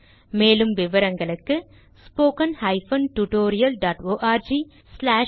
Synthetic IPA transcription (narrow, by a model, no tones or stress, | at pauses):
meːlɯmʋɪʋɐɾɐŋɡɐɭɯkːɯ | spoːkɐnhɐɪfɐnʈuʈoːɾɪjɐlɖaːʈoːʔaːɾd͡ʒi | slaː